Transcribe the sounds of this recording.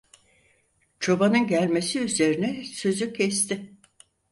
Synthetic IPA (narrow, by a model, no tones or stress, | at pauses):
t͡ʃʰo̞banɯnɟælʲme̞siyze̞ɾinɛsø̞zycʰɛst̪ɪ